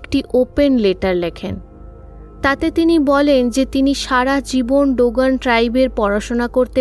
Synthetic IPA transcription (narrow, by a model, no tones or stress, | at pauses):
kʈiʔopenleʈaɾlekʰen | t̪at̪et̪inibɔlend͡ʑet̪iniʃaɾad͡ʑibonɖoɡanʈɾajbeɾpɔɾaʃonakoɾt̪e